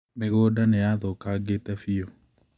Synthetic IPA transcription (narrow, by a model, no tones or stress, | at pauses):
meɣoːdanejaðɔkaɡetɛfiɔ